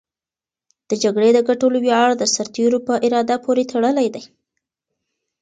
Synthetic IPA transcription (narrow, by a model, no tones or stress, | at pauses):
d̪̥əd͡ʒaɡɽed̪əɡaʈoloweɑɽd̪əsaɾt̪eɾopəʔɪɾɑd̪apʰoɾet̪ʰaɽəlajd̪aj